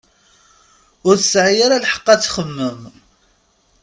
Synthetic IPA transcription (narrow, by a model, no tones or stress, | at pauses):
ʊɾθəsʕijaɾalħə̥qːɑt͡sːχəmːəm